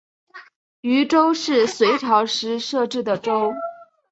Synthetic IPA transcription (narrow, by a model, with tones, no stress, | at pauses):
y˧˥ʈ͡ʂo˥ʊʂɻ̩˥˩swe˧˥ɪʈ͡ʂʰɑ˧˥ʊʂɻ̩˧˥ʂɤ˥˧ʈ͡ʂɻ̩˥˩d̪ə˩ʈ͡ʂo˥ʊ